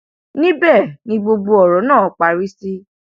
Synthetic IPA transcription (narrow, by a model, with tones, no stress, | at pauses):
nĩ˦bɛ˦˨nĩ˧ɡ͡bo˧ɡ͡bo˧ɔ˨ɾɔ˨˦nãː˦˨ɔ˨˦k͡pa˨ɾi˦si˦